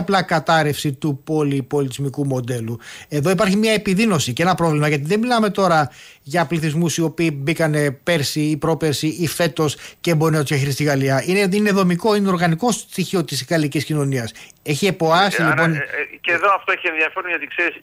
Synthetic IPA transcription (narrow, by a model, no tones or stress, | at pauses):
plɐkɐt̪ɐɾe̞fsit̪upo̞lipo̞lit̪izmikumo̞d̪e̞lue̞ðo̞ipɐɾçimɲɐe̞piðino̞siceenɐpɾo̞vlimɐʝɐt̪̬iðemilɐme̞t̪o̞ɾɐ | ʝɐpliθizmusio̞piːbikɐne̞peɾsiːpɾo̞peɾsiife̞t̪o̞scembo̞net̪ozʝɐçiɾist̪iɣɐliɐineine̞ðo̞miko̞ineoɾɣɐniko̞st̪içio̞t̪isɣɐliciscino̞niɐs | e̞çie̞po̞ɐsilipo̞nceðoɐft̪oeçienðiɐfeɾunʝɐt̪ikseɾis